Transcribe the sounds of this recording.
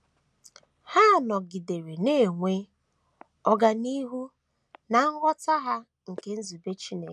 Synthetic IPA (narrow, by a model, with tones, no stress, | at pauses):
ha˦˨nɔ˨ɡi˨de˨ɾe˨ne˦˨ŋʷe˦ | ɔ˦ɡa˨ni˦ɦu˦ | na˨ŋ̩˦wʷɔ˦ta˦ɦa˦ | ŋ̩˨ke˦n̩˦zu˨be˦t͡ʃi˦ne˨˦